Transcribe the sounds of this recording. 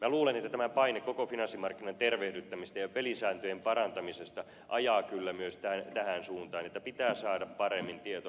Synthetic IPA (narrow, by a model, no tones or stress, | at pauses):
mæluːlenet̪ːæt̪æmæpɑinekkːokofinɑnsːimɑrkːinɑnt̪erʋehdyt̪ːæmist̪æjɑpelisæːnt̪øjempɑrɑnt̪ɑmisest̪ɑ | ʔɑjɑːkylːæmyøst̪æt̪æhænsuːnt̪ɑːnet̪ːæpit̪æːsɑːdɑppɑremːint̪iet̪o